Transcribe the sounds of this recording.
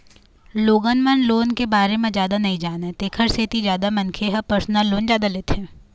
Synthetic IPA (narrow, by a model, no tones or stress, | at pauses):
loːɡənmənloːnkebaːɾemẽzjaːd̪anɐɦĩd͡ʒaːnaɦɛt̪eːkʰəɾset̪izjaːd̪amɐnkʰeɦɐpəɾsnalːoːnd͡ʒjaːd̪aleːt̪eɦɛ̃ː